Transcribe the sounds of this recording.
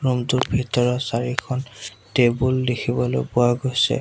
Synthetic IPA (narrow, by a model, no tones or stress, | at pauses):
ɹumtutbʱitɔɹɔsaɹikʰɔn | tebuldekʰibɔlo̰jpʊwaɡojsɛ̰